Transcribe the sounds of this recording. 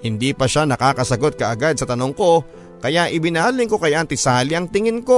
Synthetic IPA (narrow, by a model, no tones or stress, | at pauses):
hɪnd̪iːpɐʃanɐkaːkɐsɐɡo̞t̪̚kɐʔɐɡad̪̚sɐt̪ɐno̞ŋko̞ | kɐjaʔʔɪbɪnaalɪŋko̞kɐjaʔɐŋt̪ɪsaːlɪʔɐŋt̪ɪŋɪnko